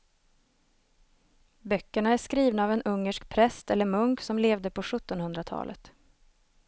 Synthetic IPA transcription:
bœkːəɳaæʂkɾiːvnaːvɛnɵŋːəʂkpʰɾɛst̪ɛlːəɾmɵŋksɔmleːvd̪əpʰɔɧɵt̪ːɔnhɵnd̪ɾat̪ʰɑ̰ːlʔə̰t̪

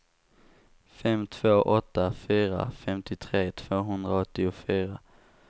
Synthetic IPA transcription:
fɛmt̪ʰv̥oːʔɔt̪ːafyːɾa̰fɛmt̪ɪt̪ʰɾeːt̪ʰv̥oːɦɵnd̪ɾaɔt̪ːɪʊfyːɾa

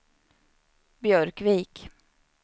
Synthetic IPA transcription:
bjœɾkviːk

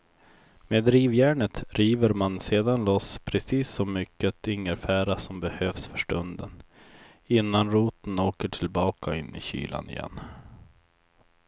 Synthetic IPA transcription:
meːd̪ɾiːvjæːɳət̪ɾiːvəɾmanseːd̪anlɔspʰɾɛsiːsːɔmːʏkːət̪ʰɪŋːəɾfæːɾasɔmbɛhøːvsfœʂʈɵnd̪ə̰n | ɪnːanɾuːt̪ənoːkəʈʰɪlbɑːkʰaɪnːʔɪ̰ɕy̰ːlʔa̰nɪ̰jɛ̰nː

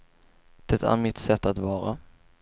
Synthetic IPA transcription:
d̪̥ɛt̪æ̰ɾmɪt̪sɛt̪ːat̪vɑːɾa

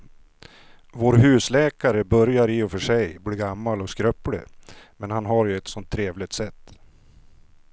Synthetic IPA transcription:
voːɾɦʉ̟ːslɛːkaɾəbœɾjaɾɪɔfœʂɛjbliːɡamːalɔskɾœpɽə̰mɛnhanɦaɾjɵɛt̪sɔnt̪ʰːɾeːvlɪɡt̪sɛt̪ː

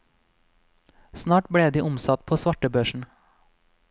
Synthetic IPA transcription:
snɑːʈbɽeːd̪iːʔʊmsɑt̪̚pʰoːsʋɑʈəbøːʃɳ̩

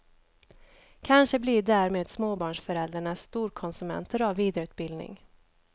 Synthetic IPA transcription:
kʰanʂəblɪd̪æːɾmeːd̪smoːbɑːɳʂfœɾɛld̪ɾaɳast̪uːɾkʰɔnsɵmɛ̰nt̪ʰəɾavːiːd̪ɾʉ̟ːt̪̚bɪld̪nɪ̰ŋ

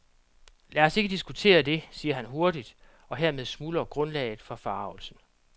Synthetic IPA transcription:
læɐɐse̝ɡ̥əd̥isɡ̥ut͡sʰe̝̰ːɐd̥e̝siːɐɦænɦo̝ɐdid̥ | ɒ̽ɦeɐmeð̞ˠsmuːlɐɡ̥ʁɔ̽nlɛ̰ːɪð̩ˠfɒ̽fɑ̈ːʊl̩sn̩

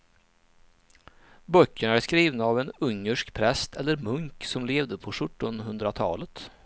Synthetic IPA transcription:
bœkːəɳæʂkɾiːvnaːvɛnɵŋːəʂkpʰɾɛst̪ʰɛlːəɾmɵŋksɔmleːvd̪əpʰɔʂɵʈːɔnɦɵnd̪ɾat̪ʰɑ̰ːlət̪

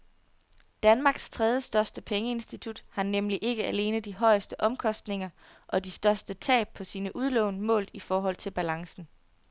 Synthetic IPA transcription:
d̥ænmɑ̈ːɡ̥st͡sʰʁɛð̞ˠjəsd̥ɶɐsd̥əpʰeŋəe̝nsd̥it͡sʰud̥hɑ̈nemliʔe̝ɡ̥əæle̝ːnð̩ˠd̥iɦɒ̽ɪsd̥əʔɒ̽mkʰɒ̽sd̥ne̝ŋɐ | ʔɒ̽disd̥ɶɐsd̥ət͡sʰɛ̰ːb̥̚pʰɒ̽siːnəʔuð̞ˠlɔʊnəmɔ̰̽ːlifɒːɦɒ̽l̰t͡sʰe̝lb̥ælɑ̈ŋsn̩

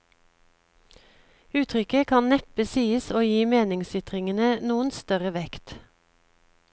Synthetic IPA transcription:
ʉːt̪ʰʁʏkəkʰɑnnɛp̚bəsiːəsoːjiːmeːnɪŋsʏt̪ʁɪŋənənuːənst̪œʁəʋɛkt̪

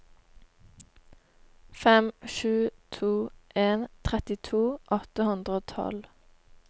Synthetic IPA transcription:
fɛmʃʉːt̪ʰuːʔeːnt̪ʰʁɛt̪ɪt̪ʰuːʔɔt̪əhʉnd̪ʁəoːt̪ʰɑ̰l

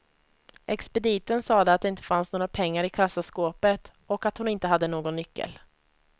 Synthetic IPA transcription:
ʔɛkspɛd̪iːt̪ənsɑːd̪ɛat̪̚d̪ɛɪnt̪ə̥fansnoːɾapʰɛŋːaɾɪkʰasːaskoːpət̪ | ɔkat̪hʊnɪnt̪əɦad̪ːənoːɡɔnːʏkːə̰l

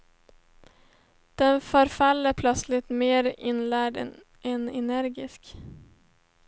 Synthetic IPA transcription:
d̪̥ɛnfœːɾfalːəɾpʰlœt̪slɪt̪meːɾɪnlæːɖ | ɛnɛnæɾɡɪsk

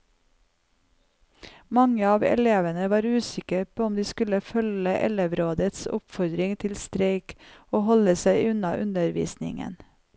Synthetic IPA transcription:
mɑŋəɑːʋɛ̰leːʋənəʋɑːɾʉːsɪkəpʰoːɔmd̪iːskʉləfœləʔɛleʋɾoːd̪ət̪sʊ̰pfɔɾd̪ɾɪŋt̪ʰɪlst̪ɾeɪkoːhɔləsæɪʔʉnɑʔʉnəɾʋḭːsnɪ̰ŋə̰n

